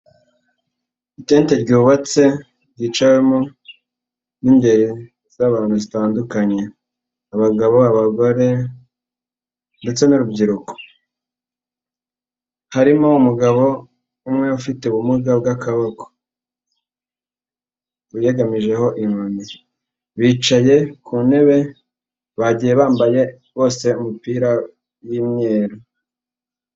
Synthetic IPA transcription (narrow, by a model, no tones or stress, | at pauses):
iteːnte̞ɾɟuːβat͡se̞ | ɾɟiːt͡ʃawe̞mo | nimbe̞ɾi | z̥aβaːn̥huzitaːndukaɲe̞ | aβaɡaβoaβaɡoɾe̞ | nde̞t͡se̞nuɾubɟiɾuko̥ | haɾimoumuɡaβo̞ | umŋe̞ufite̞uβumuɡab̚ɡakaβako̥ | ujeɡamiʒe̞ho̞ʔiŋomi | βiːt͡ʃaje̞kʰuːne̞βe̞ | βaɟije̞βaːmbaje̞ | βo̞ːse̞umipiːɾa | jimɲeːɾo